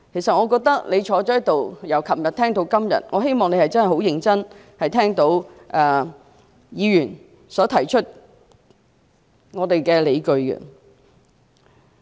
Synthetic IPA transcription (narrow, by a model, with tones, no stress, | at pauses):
kʰe˨˩sɐ˨t̚ŋɔː˨˧kɔː˧k̚t̪ɐ˥k̚le˨˧jt͡ʃʰɔː˨˧˥t͡ʃɔː˨˥jt̪o˨wjɐ˨˩wkʰɐ˨˩mjɐ˨t̪̚ʰɛː˥ŋt̪o˨˥wkɐ˥mjɐ̰˨t̚ŋɔː˨˧ɦe˥jmɔː˨˩ŋne˨˧jhɐ˨jt͡sɐ˥nhjho˨˥wjɪ˧ŋt͡sɐ˥n | hɐ˨jt̪ʰɛː˥ŋt̪o˧˥wʔɛː˨˩ | jiː˨˧jyː˨˩n | sɔː˨˥t̪ʰɐ˨˩jt͡ʃʰɵ˥t̚ | ŋɔː˨˧t̪e˨jkɛː˧le˨˧jkɵ˧ɥɡɛ̰˧